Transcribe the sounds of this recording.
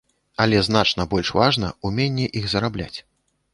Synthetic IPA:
ɐlʲɛzn̪at͡ʂn̪ɐbɔlʲʂvaʐnɐ̰umʲenʲːɛʔiɣzɐɾablʲa̰t͡sʲ

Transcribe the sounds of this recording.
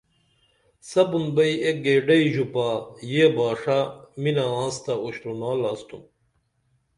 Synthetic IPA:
sɐbunbɐijek̚ɡeːɖɐiʑupaːjeːbaːʂaminaãːnst̪ɐoɕɾunaːlast̪um

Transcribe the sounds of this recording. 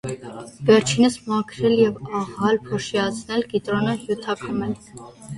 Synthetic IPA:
vɛɾt͡ʃʰinəsmɑkʰɾɛljɛvɑʁɑlpʰɔʃiɑt͡sʰnɛlɡit̪ɾɔnəhjut̪ʰɑkʰɑmɛl

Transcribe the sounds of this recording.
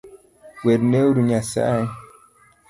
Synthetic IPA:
weɾnewɾuɲasa̰a

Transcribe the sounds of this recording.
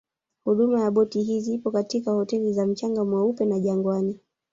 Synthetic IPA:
huɗumajaɓɔtiɦizipɔkatikahɔtɛlizam̩t͡ʃaŋɡamwaupɛnaʄaŋɡwani

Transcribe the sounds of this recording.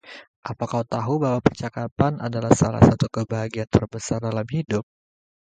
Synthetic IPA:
ʔapakaut̪aɦubawapərt͡ʃakapanadalahsala̰hsat̪ukəbaɦaɡiant̪ərbəsardalamɦidʊp̚

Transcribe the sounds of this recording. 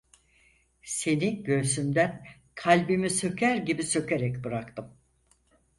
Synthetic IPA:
se̞niɟø̞ɾsymd̪æn | kʰalʲbimisø̞cʰæɾɟibisø̞ceɾɛcbɯɾakt̪ʰɯm

